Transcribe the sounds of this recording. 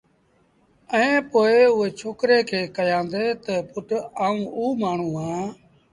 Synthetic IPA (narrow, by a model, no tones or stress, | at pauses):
ɛ̃ːpoːeːʊeːt͡ʃʰoːkɾeːkʰeːkəjãːnd̪eːt̪əpʊʈaːũːuːmaːɳ̤ũːɦãː